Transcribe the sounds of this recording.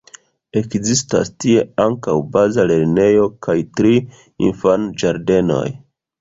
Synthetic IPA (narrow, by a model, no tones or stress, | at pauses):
e̞kzista̰stie̞aŋkawbazale̞ɾne̞jo̞kʰajtɾi | ḭnfand͡ʒaɾde̞no̞̰j